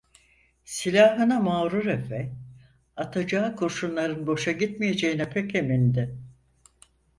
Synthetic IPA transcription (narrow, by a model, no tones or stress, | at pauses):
silʲaːɦɯnamaːɾuɾefɛ | at̪ʰad͡ʒaːɯkʰoɾʃunlˠaɾɯnbo̞ʃaɟit̪mije̞d͡ʒejinɛpʰecʰemind̪ɪ